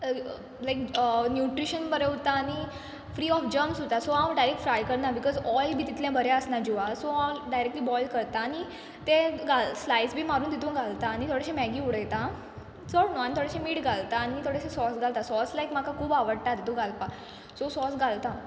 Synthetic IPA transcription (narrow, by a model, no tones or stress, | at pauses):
lajknjuʈɾiɕənbəɾeot̪aːñi | fɾiːɔfd͡ʑəmsot̪asoawɖajɾek̚ʈfɾajkəɾnabikɔzɔjlbʱiːt̪it̪ljãbʱəɾɛəsnad͡ʑuʋasoaɖajɾek̚ʈliːbɔjlkəɾt̪aːñi | t̪eɡalslajsbʱiːmaɾuːnt̪it̪ʰũɡʱalt̪aːñit̪ʰoɽeɕẽmɛɡiuɽəjt̪a | t͡səɽnoanit̪ʰoɽeɕẽmiːʈɡʱalt̪aːñit̪ʰoɽeɕẽsɔsɡʱalt̪asɔslajkm̤akakʰuːbaʋəɽt̪at̪it̪ʰũɡalpa | sosɔsɡʱalt̪a